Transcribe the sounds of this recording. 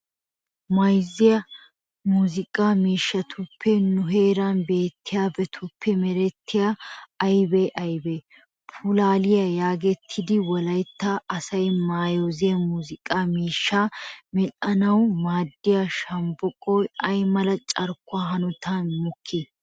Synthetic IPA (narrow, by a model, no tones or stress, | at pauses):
mɐjzɪjɐ | muːzɪkʼaːmiːʃːɐt̪ʰʊpʰːɛnʊɦe̞ːɾɐnbeːt̪ʰːɪjaːbɛt̪ʰʊpːɛmɛɾɛt̪ʰːɪjaːjbɛjʔɐjbe | pʰʊlaːlɪjɐjaːɡɛt̪ʰːɪd̪ɪwɔlɐjt̪ːaʔɐsɐjmaːjozɪjɐmuːzɪkʼaːmiːʃːamɛᶑɐnɐwmaːd̪ːɪjaʃɐmbɔkʼɔjɐjmɐlɐt͡ʃʼɐɾkːʊaːɦɐnʊt̪ʰɐnmʊkʰːɪ